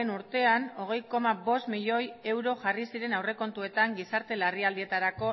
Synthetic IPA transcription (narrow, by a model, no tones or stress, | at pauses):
enuɾt̪e̞ano̞ɣ̞e̞jko̞maβo̞st̪miʎo̞je̞wɾoʝarisiɾe̞nawre̞ko̞nt̪ue̞t̪aŋɡisaɾt̪e̞lariald̪ie̞t̪aɾako̞